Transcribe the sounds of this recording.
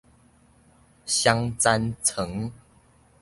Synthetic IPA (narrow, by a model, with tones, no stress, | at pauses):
ɕja˦ŋt͡sa˦nt͡sʰɤ˨˦ŋ